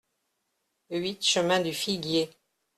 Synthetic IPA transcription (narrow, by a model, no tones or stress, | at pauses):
ɥit̪ʃəmɛ̃d̪yfiɡje